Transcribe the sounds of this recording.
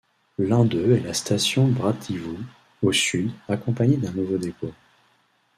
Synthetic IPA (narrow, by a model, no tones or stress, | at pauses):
lɛ̃d̪øɛlast̪asjɔ̃bʁat̪ʰivu | osyd̪akɔ̃paɲed̪ɛ̃nuvod̪eko